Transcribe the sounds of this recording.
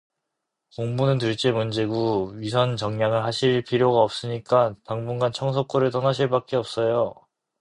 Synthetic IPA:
koŋbunɯntɯɭt͡ɕ͈emund͡ʑe̞ɡuɥis̬ʰʌnt͡ɕʌŋɲaŋɯɭɦaɕʰiɭpʰiɾjoɡaʌp̚s͈ɯɲik͈ataŋbuŋɡant͡ɕʰʌŋsʰʌk͈oɾɯɭt͈ʌnaɕʰiɭpak͈e̞ʌp̚s͈ʌjo

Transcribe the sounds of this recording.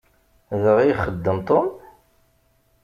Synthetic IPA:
ðəʁiχəd̪ːəmt̪ˤom

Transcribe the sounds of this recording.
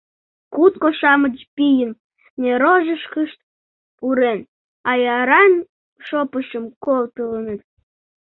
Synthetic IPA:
kut̪̚koʃɑmət͡ɕpijən | nʲeɾoʒəʃkəʃt̪ | puɾen | ɑjɑɾɑn | ʃopəʃəmkolt̪ələnət̪

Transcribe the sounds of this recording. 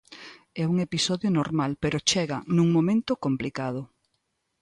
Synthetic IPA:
ɛuŋepisɔðjonoɾmalpeɾot͡ʃɛɣa̰nũŋmõmẽnt̪okomplikað̞o

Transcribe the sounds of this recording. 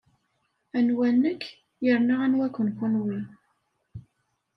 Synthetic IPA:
ænwænːəkː | jəɾnaʁanwækʷːənkunwi

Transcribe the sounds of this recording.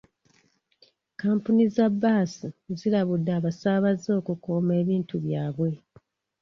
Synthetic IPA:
kaːmpunizabaːsizilaβudːaːβasaβazo̞ːkukoːme̞ːβiːntuβjaːβwe̞

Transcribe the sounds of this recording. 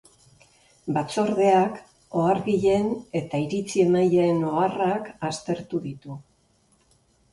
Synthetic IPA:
bat͡so̞ɾðe̞ak | o̞aɾɣiʎe̞ne̞t̪aiɾit͡sie̞maje̞no̞arakast̪e̞ɾt̪uðit̪u

